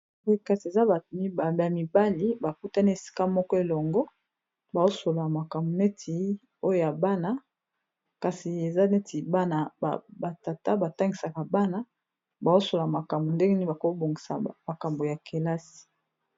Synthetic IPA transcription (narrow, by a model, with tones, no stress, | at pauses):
o˦ka˨si˨e˨za˦˨˦a˨mi˨ba˦li˨ba˨ku˦ta˦ni˦e˨si̥˦ka˦mɔ˦kɔ˦e˨lɔ˨ŋɡɔ˦ | ba˨zo˦so˨la˨ma˨ka˨mbo˨ne˦tʰi˨ | o˦jo˦ja˨ba˦na˦ | ka˨si˨e˨za˦ne˦ti˨ba˦na˨ba˨ta˨ta˦ba˨ta˦ŋɡi˨sa˨ka˨ba˦na˦ | ba˨zo˦so˨la˨ma˨ka˨mbo˨nde˦ŋɡe˦ni˦ba˨ko˦bo˨ŋɡi˨sa̰˨ma˨ka˨mbo˨ja˨ke˨la˦si̥˨